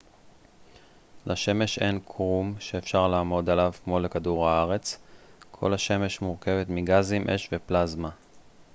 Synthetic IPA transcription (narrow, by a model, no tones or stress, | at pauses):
laʃe̞me̞ʃe̞nkʰʁumʃeːfʃaʁlaːmo̞d̪alavkmo̞le̞kaduʁhaaʁe̞t͡skʰo̞̰lhaʃe̞me̞ʃmuʁke̞ve̞t̪miɡazimʔe̞ʃve̞plazma